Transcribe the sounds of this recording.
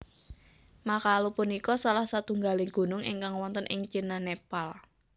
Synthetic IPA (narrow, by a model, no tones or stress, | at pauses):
makalopunikɔsalahsat̪uŋɡalɪŋɡ̥o̤nʊŋɪ̰ŋkaŋwɔnt̪ənʔɪŋt͡ʃinanepal